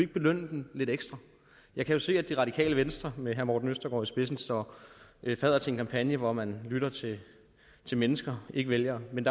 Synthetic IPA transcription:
e̝ɡ̥əb̥e̝løn̰d̥enle̝ɾ̥eɡ̥sd̥ʁɐ | jɑ̈ɪkʰæjo̝se̝̰ːæd̥iʁɑ̈ɾ̥ikʰɛ̰ːləʋensd̥ʁɐmeɦæɐmɒ̰ːd̥n̩øsd̥ɐɡ̥ɒ̰ːisb̥e̝s̬n̩sɒ | fɛð̞̰ˠɐt͡sʰe̝e̝nkʰɑ̈mpʰænjəʋɒmænlyɾ̥ɐt͡sʰe̝ | t͡sʰe̝lmenəsɡ̥ɐe̝ɡ̥əʋeljɐmend̥ɑ

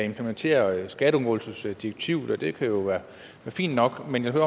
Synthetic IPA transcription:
æe̝mpʰləment͡sʰe̝̰ːɐsɡ̥æɾ̥əɒ̽nɡ̥ɔ̽ːlsəsd̥ieɡ̥̚t͡sʰiʊ̰ð̩ˠɒd̥e̝kʰæjo̝ʋæːɐ | æːɐfḭːnd̥nɒ̽ɡ̥menjahøɐ

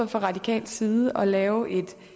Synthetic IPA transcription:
fɒʁɑ̈d̥ikʰɛ̰ːld̥siːðˠəʔɒ̽lɛːʊʔe̝d̥

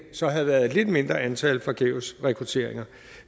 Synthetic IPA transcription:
sɒ̽ɦæð̩ˠʋæɐðˠed̥le̝d̥me̝nd̥ʁɐænt͡sʰɛləfʁɒ̈ɡ̥ʰeʊsʁɛkʰʁut͡sʰe̝ɐ̰eŋɐ

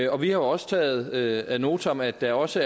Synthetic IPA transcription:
ɒ̽ʋihɑ̈jo̝ɒ̽sə̥t͡sʰɛ̰ːð̞̩ˠøæno̝ːt͡sʰɒmæd̥ːæ̈ɒ̽sə

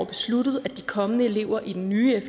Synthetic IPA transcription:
b̥e̝slud̥ð̞̩ˠæd̥i̥kʰɒ̽mənəe̝le̝̰ʊɐʔid̥enːyːef

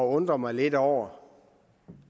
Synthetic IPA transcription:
ɒɔ̽nd̥ʁɐmɑ̈ɪle̝dɒʊ̰ɐ

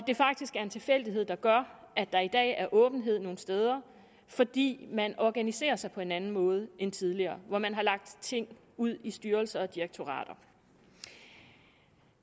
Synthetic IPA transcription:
ɒ̽d̥e̝fɑ̈ɡ̥̚d̥isɡ̥æɐe̝nt͡sʰe̝fel̰d̥iɦe̝ð̰ˠd̥ɑ̈ɡ̥ɶɐ̰ | ʔæd̥ɑ̈id̥ɛ̰ːæɐʔɔ̽ːb̥n̩ɦe̝ð̞̰ˠno̝ːn̩sd̥eːð̞ˠɐ | fɒ̽d̥ḭːmænɒɡ̥ænise̝̰ːɐsɑ̈ɪpʰɒ̽e̝nænn̩mɔ̽ːð̞̩ˠəʔent͡sʰið̞ˠliɐːʋɒmænɦɑ̈lɑ̈ɡ̥̚d̥t͡sʰe̝ŋ̰ | uð̞̰ˠisd̥yːɐlsɐɒ̽d̥ieɡ̥̚t͡sʰo̝ʁɑ̰ːd̥ɐ

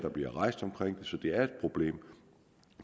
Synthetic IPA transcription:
d̥ɑ̈b̥liɐʁɑ̈ɪsd̥ɒ̽mkʰʁeŋ̰d̥e̝sɒ̽d̥e̝æɐe̝d̥̚pʰʁo̝b̥le̝̰ːm

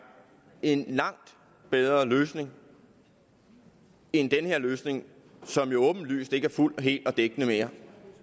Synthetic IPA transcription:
e̝nlɑ̈ŋ̰d̥ | b̥eð̞ˠʁɐløːsne̝ŋ | end̥enəhe̝ɐ̰løːsne̝ŋ | sɒ̽mjo̝ɔ̽ːb̥n̩ly̰ːsd̥e̝ɡ̥æɐful̰ɒɦe̝̰ːld̥ɒ̽d̥eɡ̥ənəmeːɐ

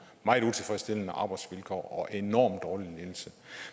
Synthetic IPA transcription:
mɑ̈ɪut͡sʰe̝fʁɛsd̥e̝lənəʔɑ̈b̥ɑ̈ɪd̥sʋelkʰɒ̰ːɒ̽ʔenɒ̰ːmd̥ɒːlileðl̩sə

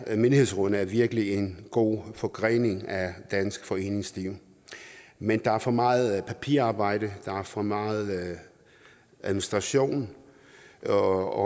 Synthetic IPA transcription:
me̝ndihe̝̰sʁɔnəæɐʋiɐɡ̥əlie̝nɡ̥o̝̰ːfɒ̽ɡ̥ʁɛ̰ːne̝ŋæd̥ænsɡ̥fɒ̽e̝̰ːne̝ŋsliʊ̰ | mend̥ɑ̈æɐfɒ̽mɑ̈ːð̩ˠpʰæpʰḭɐɑ̈ːb̥ɑ̈ɪ̰d̥əd̥ɑ̈æɐfɒ̽mɑ̈ːð̩ˠ | ʔæðˠminisd̥ʁɑ̈ɕo̝̰ːn | ɒ

